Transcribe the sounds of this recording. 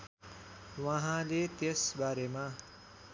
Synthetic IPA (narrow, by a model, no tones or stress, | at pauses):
waɦãlet̪esbaɾemã